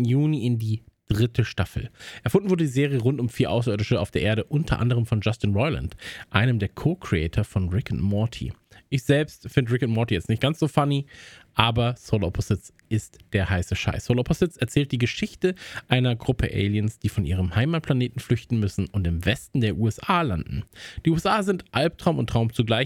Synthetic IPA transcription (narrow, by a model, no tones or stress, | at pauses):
juːniɪndiːd̥ʁɪtʰəʃtafl̩ʔɛɐfʊndnvʊɐdədiːzeːʁ̞ijəʁʊntʊmfiːɐʔaʊsɐʔʏːɐdɪʃəa̰ʊfd̥eːɐʔeːɐɾəʔʊntʰɐ̰ʔa̰ndəʁ̞əmfɔnd͡ʒastinʁɔʏla̰ntʔa̰ɪnəmdeːɐkʰoːɐkʁ̥iɛ̰ːtʰɐfɔnʁɪkənmɔɐtʰḭʔɪçz̥ɛlpstfɪndəʁɪkənmɔɐtijɛt͡stnɪçt̚ɡ̥ant͡ssz̥oːfaniʔaːbɐsolopʰozɪt͡s | ʔɪstd̥eːɐhaɪsəʃa̰ɪsoːlɔpʰozɪt͡sɛɐt͡sɛːlt̚d̥iːɡəʃɪçtəʔaɪnɐɡʁʊpʰəʔɛ̰ɪljənsd̥iːfɔnʔiːʁəmhaɪmaːt̚pʰl̥aneːtn̩flʏçtn̩mʏsn̩ʊntɪmvɛstn̩deːɐʔuːɛsʔaːlandn̩d̥iːʔuːɛsʔaːzɪntʔalp̚tʁ̥aʊmʊ̰ntʁ̥aʊmt͡suɡlaɪ